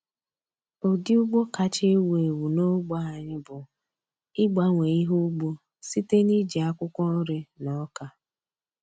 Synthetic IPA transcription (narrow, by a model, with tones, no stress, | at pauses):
o˨dɪ˦ʊ˦ɡ͡bo˦ka˨t͡ʃe˦we˨wu˨no˦ɡ͡ba˦ɦa˨ɲɪ˦bʊ˨ | ɪ˦ɡ͡ba˦ŋʷe˨i˦ɦu˦ɡ͡bo˦ | si˦te˦ni˦d͡ʒi˨a˦kʷʊ˦kʷɔ˦ɾe˦nɔ˨˦ka˨